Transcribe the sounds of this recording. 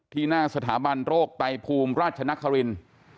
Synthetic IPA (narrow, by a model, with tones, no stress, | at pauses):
t̪ʰiː˥˩naː˥˩sa˧t̪ʰaː˩˦ba˧nɾoː˥˩k̚t̪a˧jpʰuː˧mɾaː˥˩t̪̚t͡ɕʰa˧na˦˥kʰːa˧ɾi˧n